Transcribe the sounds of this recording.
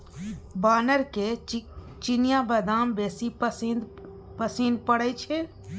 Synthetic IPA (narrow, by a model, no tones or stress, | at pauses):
baːnəɾke | t͡ʃinijabəd̪aːmbeːsi | pəsinpəɽət͡ʃʰɛ